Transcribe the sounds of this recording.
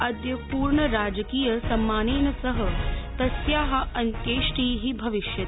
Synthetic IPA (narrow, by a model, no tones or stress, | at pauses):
ɐd̪jɐpuːɾɳɐɾaːd͡ʒɐkiːjɐsɐmːaːneːnɐsɐɦɐt̪ɐsjaːɦɐɐnkeːʂʈiːɦibʱɐʋiʃjɐt̪